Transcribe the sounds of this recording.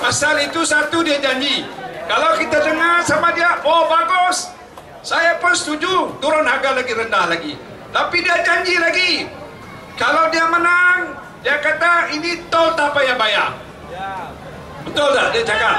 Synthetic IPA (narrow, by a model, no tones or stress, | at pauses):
masalit̪usat̪udiad͡ʒaɲd͡ʒikalawkit̪adəŋarsamadiabobaɡɔs | sajapʊnsət̪ud͡ʒut̪uɾʊnɦaɡalaɡiɾəndahlaɡi | t̪apidiad͡ʒaɲd͡ʒilaɡi | kalawdiamənaŋ | diakat̪ainit̪ɔlt̪apajaŋbajaʔ | bət̪ʊllahdiad͡ʒakat̪̚